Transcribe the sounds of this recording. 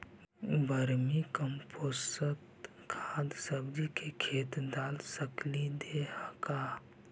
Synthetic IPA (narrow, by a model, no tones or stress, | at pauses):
bəɾmikəmpʰoːsət̪ | kʰaːd̪səbd̪ikʰekʰeːt̪d̪aːlsəklid̪ehəka